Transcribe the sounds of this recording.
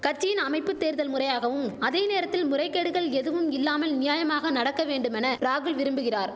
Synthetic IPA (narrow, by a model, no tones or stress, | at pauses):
kɐt͡ʃːɪjɪnɐmɐɪpːɯt̪ːeːɾðɐlmʊrɐjaːɣɐʋɯmɐðeːneːɾɐt̪ːɪlmʊrɐɪkːɐɽɯɣɐɭɛðɯʋɯmɪlːaːmɐlnɪjaːjɐmaːɣɐnɐɽɐkːɐʋeːɳɖɯmɛnɐɾaːɣɯlʋɪɾɯmbɯɣɪraːɾ